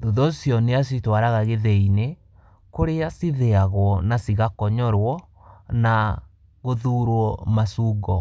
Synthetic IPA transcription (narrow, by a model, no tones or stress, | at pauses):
doðɔsjɔneas̬itwaɾaɣaɣeðɛine | koɾeasiðeaɣwɔnasiɣakɔɲɔɾwɔ | na | ɣoðuːɾwɔmasuːɡɔ